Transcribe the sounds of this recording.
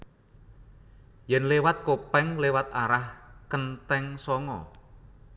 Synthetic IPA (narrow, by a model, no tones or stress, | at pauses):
jɛnlewat̪̚kopɛŋlewat̪aɾahkənt̪ɛŋsɔŋɔ̰